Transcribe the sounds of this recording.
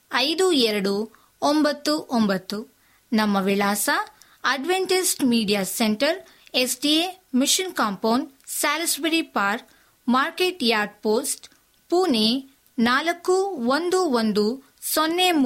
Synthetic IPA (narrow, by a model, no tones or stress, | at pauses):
ɐjd̪uɛɾɐɽu | ombɐt̪ːuʔombɐt̪ːu | nɐmːɐʋilaːsɐ | ɐɖʋeɳʈisʈmiːɖijaːseɳʈɐɾ | esɖiemiʃinkaːmpɐwnɖsaːlɐsbiɾipaːɾ | maːɾkeːʈjaːɾɖ̚poːsʈ | puːne | naːlɐkːuʋond̪uond̪u | sonːe